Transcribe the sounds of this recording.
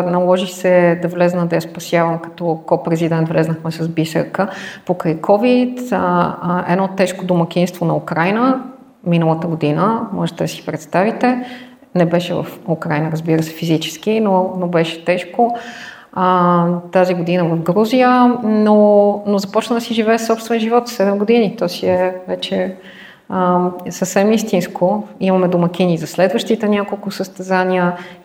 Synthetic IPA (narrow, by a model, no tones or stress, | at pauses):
nɐlˠɔʒixsɛd̪ɐvlɛznəd̪ɐjaspɐsjavəmkɐ̥t̪ɔkɔpɾɛzid̪ɛnt̪vlɛznəxmɛsɐzbisə̰ɾkəpokɾəjkʰɔvit̪ | ɛ̰d̪nɔt̪ɛʃkod̪omɐkʲinst̪vonɐukɾajnə | minəlˠət̪əɡod̪inəmɔ̰ʒɛt̪ɛd̪əsi̥pɾɛt̪st̪avit̪ɛ | nɛbɛʃɛvə̰fukɾajnəɾəzbiɾəsɛ̥fizit͡ʃɛ̥sk̟inonobɛʃɛ̥t̪ɛʃko | ət̪aziɡod̪inəvɐvɡɾuzijənonozɐpɔt͡ʃnəd̪əsiʒivɛːsɔpst̪vɛnʒivɔt̪sɛd̪ɛmɡod̪init̪ɔsiɛvɛt͡ʃɛ | əsəfsɛmist̪inskoimɐmɛd̪omək̟ʲinizɐslɛd̪vəʃt̪it̪ɛnʲakolˠkʊsəst̪ɛzanʲiə